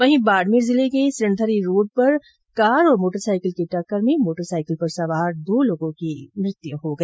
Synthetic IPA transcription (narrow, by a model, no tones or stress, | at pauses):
ʋɐɦĩbaːɖmiːɾzɪlekesɾɪnd̪ʱəɾiɾoːɖ̚pɐɾ | kaːɾɔːɾmoːʈəɾsaːɪkəlkeʈɐkːəɾmẽmoːʈəɾsaːɪkəlpɐɾsɐʋaːɾd̪oːloːɡõkimɾɪt̪juɦoɡɐː